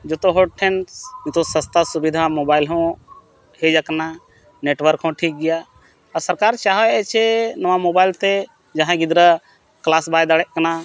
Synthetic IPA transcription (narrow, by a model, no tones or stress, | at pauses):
d͡ʒot̪oɦoʈʰensmĩt̪osə̃st̪asubid̪ʱamoːbaːɪlɦõ | hed͡ʒəkna | neːʈʋəɾkɦõʈʰiːk̚ɡɪja | ɔɾsəɾkaːɾt͡ʃaːɦəɛt͡ʃʰenəʋamobaːɪlt̪e | d͡ʒəɦãɡɪd̪ɾə | klaːsbaːjd̪aɽɛʔkna